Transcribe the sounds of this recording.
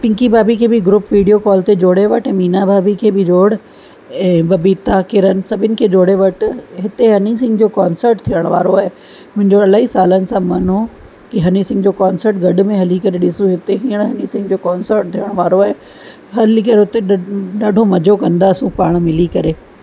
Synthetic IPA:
pɪ̃ŋkibaːbikʰeːbɪɡɾʊpʋiːɖijokɔːlt̪ed͡ʑoːɽeʋɐʈɛ̃ːmiːnabaːbikʰeːbɪd͡ʑoːɽ̤ | ɛ̃ːbɐbit̪akɪɾənɪ̆sɐbʱɪnɪ̆kʰeːd͡ʑoːɽeʋɐʈɦɪt̪eɦɐnɪ̃ŋsɪ̃ŋɡd͡ʑoːkaːnsəɾʈt̪ʰijəɽ̃ʋaːɾoaːɦe | mʊ̃ɦɪ̃ɲd͡ʑoɐlaːisaːlənɪ̆sãmɐno | kiɦɐnisɪ̃ŋɡd͡ʑoːkaːnsəɾʈ̚ɡɐɖ̆mẽɦɐlikɐɾeɗɪsuɦɪt̪eɦiːəɽ̃ɦɐnisɪ̃ŋɡd͡ʑoːkaːnsəɾʈ̚t̪ʰijəɽ̃ʋaːɾoaːɦe | ɦɐlikɐɾeʊt̪eɗɐɖʱomɐd͡ʑʱokɐ̃nd̪aːsũpaːɽ̃mɪlikɐɾeː

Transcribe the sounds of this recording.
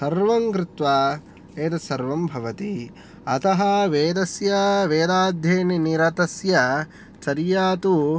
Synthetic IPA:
sɐɾʋɐŋkɾɪt̪ʋaː | eːt̪ɐsɐɾʋɐmbʱɐʋɐt̪i | ɐt̪ɐɦɐʋeːd̪ɐsjɐʋeːd̪aːd̪ʱjeːniniɾɐt̪ɐsjɐ | t͡ʃɐɾjaːt̪u

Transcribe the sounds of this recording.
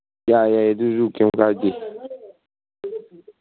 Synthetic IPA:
jajajaduzukɛŋkad͡ʒe

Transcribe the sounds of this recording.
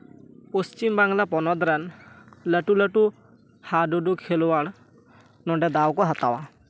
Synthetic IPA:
post͡ʃimbaŋɡlapɔnɔd̪ɾanləʈuləʈu | haɖuɖukʰelɔwaɽ̃ | nɔɖɛd̪awkɔɦat̪awa

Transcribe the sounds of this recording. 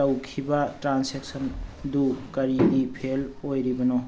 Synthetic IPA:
awkʰibatɾansek̚sɔndukɐɾidipʰelojɾibɐnɔ

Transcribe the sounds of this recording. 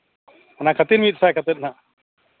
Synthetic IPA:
nakʰət̪iɾmit̪sajkʰət̪et̪̚na

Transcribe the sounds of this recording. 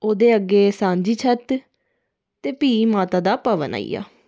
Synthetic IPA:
oːd̪eːəɡːeːsãːɲd͡ʒiːt͡ʃʰət̪ | t̪eːpiːmaːt̪aːd̪aːpəʋəna̰ːḭja̰ː

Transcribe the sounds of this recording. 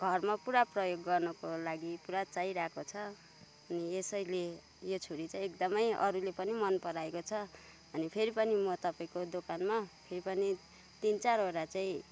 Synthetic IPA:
ɡʱʌrmapuɾaprʌjoɡːʌrnʌkolaɡipuɾat͡saiɾakot͡sʰʌ | ʌniesʌjle | jot͡sʰuɾit͡sãĩekd̪ʌmʌjʌ̰ɾulepʌnimʌnpʌɾaekot͡sʰʌ | ʌnipʰeɾipʌnimʌt̪ʌpaĩkod̪okanmapʰeɾipʌni | t̪int͡saɾɦoɾat͡saĩ

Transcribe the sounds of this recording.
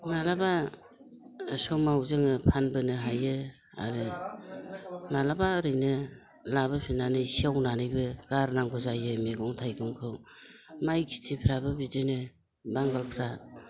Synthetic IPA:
malaba | sɔmawzɯŋɯpʰanbɯnɯɦajɯ | a̰ɾɯ | malabaɯɾɯjnɯ | labɯpʰinanɯjsiawnanɯjbɯɡ̥aɾnaŋɡʰɔzajɯmeɡɔŋtʰajɡɯmkʰɯw | majkʰi̥tʰipʰɾabɯbidɯnɯ | baŋɡalpʰɾa

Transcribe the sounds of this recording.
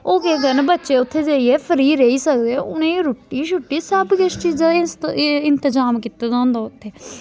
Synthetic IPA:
oːkeːɡənbətːʃeːʊt̪ʰːeːd͡ʒaːiːɛːfʰəɾiːɾeiːsək̚d̪ẽʊnẽːɾʊʈːiːʃʊʈːiːsəbkɪst͡ʃiːa | ɪnt̪əzaːmkit̪aːd̪ãːnd̪aːʊt̪ʰːeː

